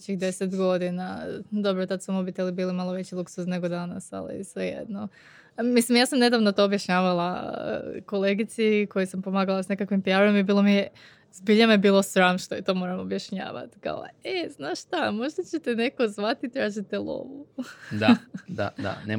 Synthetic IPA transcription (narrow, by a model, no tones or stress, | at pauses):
t͡ɕixd̪e̞set̪ɡo̞d̪inad̪o̞bɾot̪at̪sumobit̪elibiːlimalˠoʋe̞t͡ɕiluksuzne̞ɡod̪ana̰sa̰lḭsʋejḛd̪no | mislimjaːsamne̞d̪aʋnot̪o̞ːbjaʃɲaːʋalˠa̰ | ko̞le̞ɡit̪siko̞jisampo̞maːɡalasne̞kakʋimpijaɾɾemibiːlˠomije | zbiʎamjebiːlˠo̞sɾamʃt̪oit̪o̞ːmo̞ːɾamobjaʃɲa̰ːʋa̰t̪i̥ka̰o̰eznaʃt̪amo̞ʒd̪at͡ɕet̪ene̞kozʋat̪it̪ɾaːʒit̪elˠo̰ʋud̪ad̪a̰d̪a̰ne